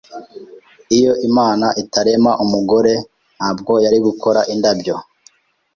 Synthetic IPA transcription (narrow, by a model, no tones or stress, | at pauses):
ijo̞ʔimaːnaʔitaɾe̞maʔumuɡo̞ɾe̞ | nhaːb̚ɡo̞jaɾiɡuko̞ɾaʔindabjo̞